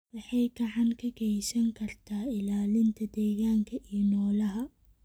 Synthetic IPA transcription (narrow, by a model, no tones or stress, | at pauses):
wɑħɑjɡɐʕɑŋkʰɐɡɛjsɐŋkʰɐrt̪ʰaːɪlaːlɪnt̪ʰɐd̪ɛːɣaːŋkʰɐʔiːjnɔːlɐɦɐ